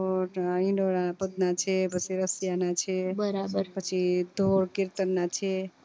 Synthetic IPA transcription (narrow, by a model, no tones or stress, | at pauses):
oʈĩnɖoɾapəd̪̚nat͡ʃʰepət͡ʃʰiɾəsjanat͡ʃʰebəɾabəɾpət͡ʃʰid̪ʱoɾkiɾt̪ənːat͡ʃʰe